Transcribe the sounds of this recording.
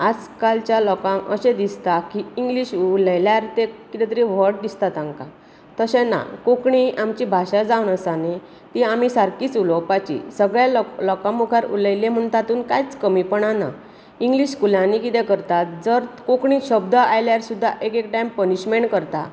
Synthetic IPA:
ad͡zkalt͡ɕjalɔkãə̰ɕẽd̪ist̪akiːŋɡliɕləjljaɾt̪ekit̪ɛt̪ɾiʋ̤əɾʈ̚d̪ist̪at̪ãŋka | t̪əɕɛ̃na̰kokɳiamt͡ɕibʱaɕad͡zawnəsane | t̪iam̤isaɾkiːt͡sulɔwpat͡ɕḭsəɡɭjalɔkãmukʰaɾṵləjlẽm̤əɳt̪at̪uːnkajt͡skəmipəɳana̰ | iŋɡliɕkulãnikit̪ɛ̃kəɾt̪at̪d͡zəɾkokɳĩɕəbd̪ʱəajljaɾsud̪ʱːaʔekekʈajmpəniɕmeɳʈkəɾt̪a̰

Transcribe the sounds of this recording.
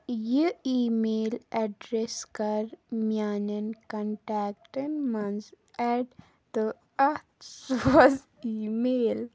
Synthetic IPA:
jiiːmeːlɛɖɾeskɐɾmjaːnənkə̃ɳʈɛːk̚ʈɪnmɐnz | ɛɖ | d̪ə | ɐt̪soz | iːmeːl

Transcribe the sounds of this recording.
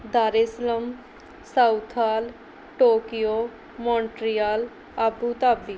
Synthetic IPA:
d̪aːɾesləm | saut̪ʰaːl | ʈoːkijoː | mɔ̃ːɳʈɾijaːl | abuːt̪aːbi

